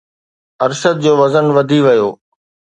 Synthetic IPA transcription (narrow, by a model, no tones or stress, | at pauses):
ɐɾʃəd̪̚d͡ʑoːʋɐzənʋɐd̪ʱiʋɐjoː